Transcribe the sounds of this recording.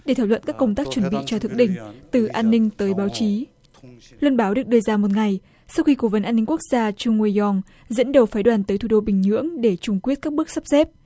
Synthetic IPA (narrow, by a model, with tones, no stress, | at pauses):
ɗe˧˩t̪ʰaː˧˩wlwə̰˧˨nkaː˦˥kːə˧wŋ͡mt̪aː˦˥k̚t͡ɕwə˧˩nɓḭ˧˨t͡ɕɔ˧t̪ʰɨ̰˧˨ŋɗï˧˩ŋ̟t̪ɨ˨˩ʔaː˧nːï˧ŋ̟t̪əː˨˦jɓaː˨˦wt͡ɕi˨˦ | lwə˧nɓaː˨˦wɗɨ˨˩ək̚ɗɨ˧əzaː˧mo˨˩t̚ŋa˨˩j | saː˧wxi˧ko˧˩və˨˦nʔaː˧nːi˧ŋ̟ku˦˥ək̚z̥aː˧t͡ɕʊ˧ŋ͡mwi˧jɔ˧ŋ | zə̰˧˥nɗə˨˩wfaː˨˦jɗwaː˨˩nt̪əː˨˦jt̪ʰu˧˩ɗo˧ɓï˨˩ŋ̟hɨ̰˧˥əŋɗe˧˩t͡ɕʊ˧˩ŋ͡mkwi˦˥ət̚kaː˦˥k̚ɓɨ˦˥ək̚sa˦˥p̚sɛ˦˥p̚